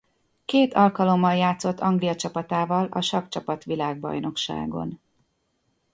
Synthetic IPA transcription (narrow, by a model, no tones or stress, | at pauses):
keːt̪ʰɒlkɒlo̞mːɒljaːt̪so̞t̪ːɒŋɡlijɒt͡ʃɒpɒt̪aːvɒlɒ̰ʃɒkt͡ʃɒpɒt̪ʋilaːɡ̚bɒ̰jno̞kʃa̰ːɡo̞̰n